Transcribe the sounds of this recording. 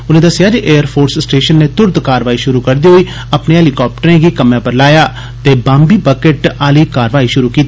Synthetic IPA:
ʊnẽːd̪əsɪjaːd͡ʒiʔeːəɾpʰoːɾssʈeːʃənːeːt̪ʊɾd̪kaːɾʋaːiːʃʊɾuːkəɾd̪iːɦoiː | apneːɦɛːlikɔːp̚ʈəɾẽːɡiːkəmjãːpəɾlaːjaː | t̪eːbãːmbiːbəkeʈaːliːkaːɾʋaːiːʃʊɾuːkiːt̪i

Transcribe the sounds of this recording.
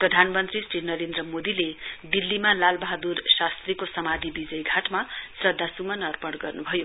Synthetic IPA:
prʌd̪ʱanmʌnt̪risʈinʌɾend̪rʌmod̪iled̪ilːimalalbʌɦd̪ursast̪rikosʌmad̪ʱibid͡zʌjɡʱaʈmasrʌd̪ʱːasumʌnʌrpʌɽɡʌrnubʱʌjo

